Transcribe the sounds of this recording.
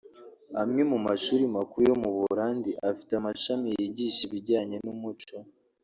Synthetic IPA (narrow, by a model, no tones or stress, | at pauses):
amŋe̞mumaʃuːɾimakujo̞muβuɾaːndiʔafi̥tamaʃamijiɟiʃiβiɟaːɲe̞numut͡ʃo